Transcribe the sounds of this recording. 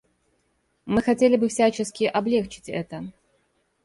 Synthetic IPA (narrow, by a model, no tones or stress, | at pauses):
mɨxɐtʲelʲɪbɨfsʲat͡ɕɪskʲɪʔɐblʲekt͡ɕɪ̥tʲɛ̰t̪ə